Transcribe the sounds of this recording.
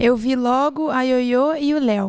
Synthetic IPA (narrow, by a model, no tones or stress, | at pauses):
ewvilɔɡʊɐjojoɪʊlɛw